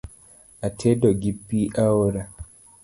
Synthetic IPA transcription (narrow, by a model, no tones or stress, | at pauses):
atʰɛdɔɡipːiʔawɔɾa